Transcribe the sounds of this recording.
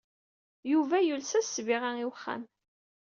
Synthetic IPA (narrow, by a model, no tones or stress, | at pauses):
juvæjulsæsːviʁaŋiwəχːa̰m